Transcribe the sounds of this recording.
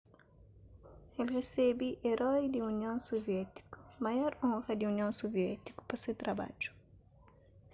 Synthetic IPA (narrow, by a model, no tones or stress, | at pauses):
elresɛbiʔeɾɔjd̪iunjõŋsovɛt̪i̥kʊ̥majɔɾɔ̃ŋɣɐd̪iunjõsovjɛt̪i̥kʊ̥pasewt̪ɾaba̰d͡ʒu̥